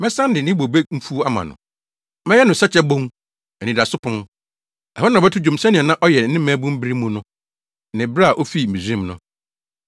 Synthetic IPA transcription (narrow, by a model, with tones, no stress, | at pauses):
mɛ̃˦sã˦n˦dɪ˨nɪ̃˦bo˨be˦m̩˦fu˦a˦mã̰˨nʊ̰̃˨ | mɛ˦jɛ˦nʊ̃˨sa˦t͡ɕʰɛ˦bõ˦ŋ | ɛ˨nĩ˨da˨sʊ˦pʰʊ̃˦m | ɛ˨ɔ˦nã˨bɛ˦tʰʊ˦d͡ʑᶣũ˨m˨sã˦nĩ˨nã˦ʔɔ˦jɛ˨˦nɪ̃˦mæ̃˦bũ˦m̩˦bi˦ɾi˦mũ˦nʊ̃˦˨ | nɪ̃˨bɾa˦a˨ʔo˦fi˦m̩˨mĩ˨sĩ˦˨mnʊ̰̃˨